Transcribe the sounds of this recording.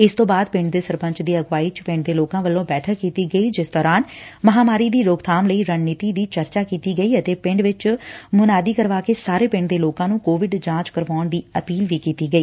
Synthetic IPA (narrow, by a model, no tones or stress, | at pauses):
ɪst̪õːbaːd̪̚pɪ̃ɳɖd̪eːsəɾpə̃ɲt͡ʃd̪iːəɡʋaːiːt͡ʃpɪ̃ɳɖ̚d̪eːloːkãːʋəlːõːbɛːʈʰəkːiːt̪iːɡəiːd͡ʒɪsd̪ɔːɾaːnməɦaːmaːɾiːd̪iːɾoːɡt̪ʰaːmləiːɾənniːt̪iːd̪iːt͡ʃəɾt͡ʃaːkiːt̪iːɡəiːət̪eːpɪ̃ɳɖʋɪt͡ʃmʊnaːd̪iːkəɾʋaːkeːsaːɾeːpɪ̃ɳɖd̪eːloːkãːnũːkoːʋɪɖd͡ʒãːt͡ʃkəɾʋaːʊɳd̪iːəpiːlʋiːkiːt̪iːɡəiː